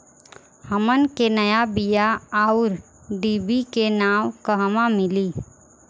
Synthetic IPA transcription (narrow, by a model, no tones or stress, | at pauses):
həmənkenɐjabijaaːʊɾ | d̪iːbikenaːwkəɦmamɪliː